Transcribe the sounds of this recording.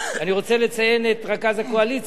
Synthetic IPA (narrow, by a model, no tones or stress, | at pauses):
aniʁo̞t͡selet͡saje̞netʁakazakoalit͡s